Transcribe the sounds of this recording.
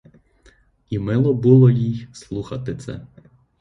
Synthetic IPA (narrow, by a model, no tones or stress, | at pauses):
imɪlˠɔbulˠɔjijslˠuxɐt̪ɪt̪sɛ̰